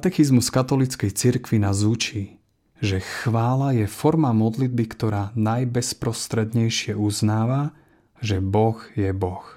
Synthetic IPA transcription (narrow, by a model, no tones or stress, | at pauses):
at̪ɛxizmuskat̪ɔlit͡skɛjt͡siɾkʋinazut͡ʃiː | ʒɛxʋaːlajɛfɔɾmamɔd̪lid̪̚bikt̪ɔɾaːnajbɛspɾɔst̪ɾɛd̪ɲɛjʃɪɛʔuznaːʋa | ʒɛbɔɣjɛbɔx